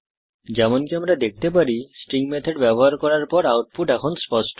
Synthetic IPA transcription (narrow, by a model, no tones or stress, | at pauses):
d͡ʒɛmonkiamɾad̪ek̚ʰt̪ep̬aɾisʈɾiŋmɛt̪ʰeɖbɛbɔɦaɾkɔɾaɾpɔɾawʈ̚puʈɛkʰonspɔsʈ